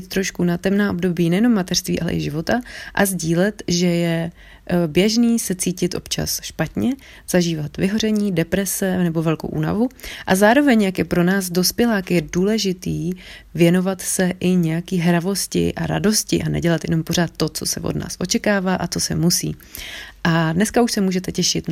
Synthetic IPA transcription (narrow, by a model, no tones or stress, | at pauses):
t̪t̪ːɾo̞ʃkunat̪ɛmnaːʔobdo̞biːnɛjɛno̞mːat̪ɛr̥st̪vḭːʔalɛ̰ʔɪ̰ʒɪvo̞t̪aʔazɟiːlɛt̪ʒɛjɛ | bjɛʒniːsɛt͡siːcɪt̪ʔo̞̰pt͡ʃa̰sʃpat̪ɲɛ | z̥aʒiːvat̪vɪɦo̞rɛɲiːdɛpɾɛsɛnɛbo̞vɛlkowʔṵːna̰vuʔazaːɾo̞vɛɲjakjɛpɾo̞naːzdo̞spjɛlaːkjɛduːlɛʒɪt̪iːvjɛno̞vat̪sɛʔɪɲɛjakiːɦɾavo̞scɪ̰ʔa̰ɾa̰do̞scɪʔanɛ̰ɟɛlat̪jɛ̰no̞mpo̞ɾ̝aːt̪ːo̞t͡so̞̰sɛ̰vodna̰ːsʔo̞t͡ʃɛkaːvaːʔat͡so̞sɛ̰musḭːʔadnɛskauʃsɛmuːʒɛt̪ɛcɛʃɪt̪